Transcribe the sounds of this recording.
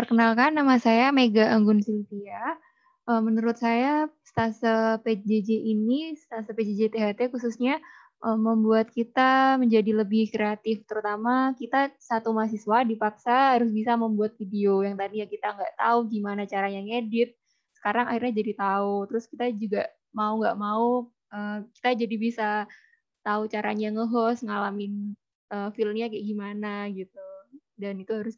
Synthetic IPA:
p̪ərkənalkanːamasajameɡaʔːŋɡʊnsint̪ia | ʔəːmənuɾʊt̪̚sajast̪asəped͡ʒed͡ʒeʔinist̪asəped͡ʒed͡ʒet̪eɦat̪ekususɲa | ʔəmːəmbuat̪̚kit̪aməɲd͡ʒadiləbɪhkɾeat̪ɪft̪əɾut̪amakit̪asat̪umas̬isuwadipaksaɦaɾʊs̬bisaməmbuat̪̚fideojaŋt̪adijakit̪aŋɡaʔt̪auɡimanat͡ʃaɾaɲaŋedɪt̪̚ | sə̥kaɾaŋahirɲad͡ʒadit̪aut̪əɾʊskit̪ad͡ʒuɡa | mauŋɡa̰ʔmau | ʔəːmki̥t̪ad͡ʒadibisa | t̪aut͡ʃaɾaɲaŋəɦɔsŋalamɪn | ʔəːfilmɲakɛʔɡimanaɡit̪̚u | danit̪uɦaɾʊs

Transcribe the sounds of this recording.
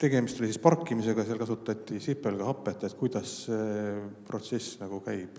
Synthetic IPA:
t̪e̞ɡe̞mist̪o̞lʲisispɑrkˑːimise̞ɡɑseɑlkɑsut̪ːˑɑt̪ʲːˑisipːˑelɡ̥ɑhɑpːˑet̪ːˑet̪ˑkujd̪̥ɑsːepro̞t̪se̞snɑɡ̥ukæjb̥

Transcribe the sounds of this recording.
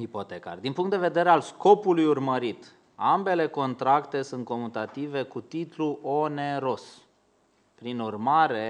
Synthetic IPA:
ipo̞t̪eka̰rd̪inpuŋkt̪d̪e̞ve̞d̪e̞ɾealsko̞pulujurməɾit̪ | ambe̞le̞ko̞nt̪ɾakt̪e̞sunt̪̚ko̞mut̪at̪ive̞kut̪it̪luʔo̞ne̞ɾo̞s | pɾinurmaɾe̞

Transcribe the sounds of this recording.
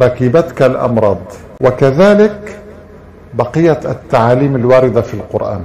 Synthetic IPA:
ɾɑkiːbat̪kalʔɑ̰mɾˤɑːd̪ˤ | wakaðaːlɪk | bɑqɪjːaat̪ːaʕaːliːmalwaːɾɪd̪afilqʊɾʔa̰ːn

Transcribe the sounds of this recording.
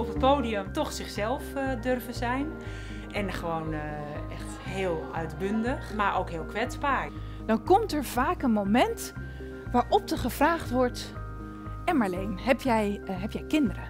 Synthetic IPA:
ɔfət̚poːdiəmtɔxsɪxsɛlˠfdørvəzɛjn | ʔɛnχəʋoːn | ɛxt | ɦɪːlˠœ̰ɥtbøndəxmaɹʔoːkɦɪːlˠkʋɛt͡sbaːɹ | dɔnkɔmtəɹvaːkənmowmɛnt | ʋaːɹʔɔp̚dəχəvraːχtʋɔɹt | ɛnmaɹlejnhɛpjɛjɦɛpjɛjkɪndərə

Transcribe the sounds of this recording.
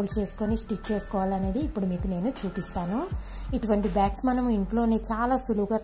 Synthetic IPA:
lt͡ʃe̞ːsu̥konisʈik̚t͡ʃe̞ːsu̥kɔːʋaːliɐne̞ːd̪iːpːuɽumiːkune̞ːnut͡ʃuːpist̪aːnu | iʈuʋɐɳʈibaːksmɐnɐmiɳʈlo̞ːneːt͡ʃaːlaːsuluɡaː

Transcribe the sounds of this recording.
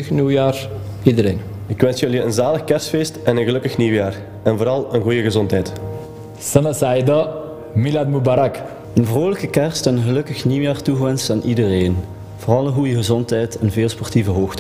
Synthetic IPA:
niwjaːr | idəɾeːn | ɪkʋɛnsjɵliənzaːləxkɛrsfeːstɛnənɣəlɵkəxniwjaːr | ɛnvoːɾɑlˠənɣujəɣəzɔntɦɛjt | sənəsajdə | miladmubaɾak | ənvroːləkəkɛrstɛnənɣəlɵkəxniwjaːrtuɣʋɛnstaːnʔidəreːn | v̥oːrɑlˠənɣujəɣəzɔntɦɛjtɛnveːlˠspɔrtivəɦoːxt

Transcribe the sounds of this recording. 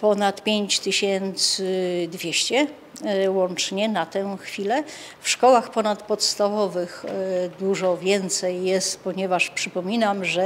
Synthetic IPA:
pɔnat̪pʲjeɲt͡ɕt̪ɘɕɛnt̪sɘd̪vʲjɛɕt͡ɕɛ | wɔnt͡ʂɲɛnat̪ɛ̃xfʲilɛ | fʂkɔwaxpɔnat̪pɔt̪st̪avɔvɘxd̪uʐɔvʲjɛnt̪sɛjːɛst̪pɔɲɛvaʂpʂɘpɔmʲinamʐɛ

